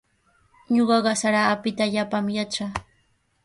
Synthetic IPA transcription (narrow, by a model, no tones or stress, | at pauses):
ɲoɢɑɢɑsaɾaːpɪt̪aʎapamjat͡ʃaː